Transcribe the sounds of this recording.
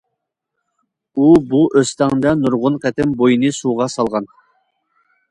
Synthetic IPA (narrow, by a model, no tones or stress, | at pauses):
ubuʔøst̪æŋd̪ɛnuɾʁʊnqʰɛt̪ɪmbojɨnɨsuːʁɑsɑlˠʁɑn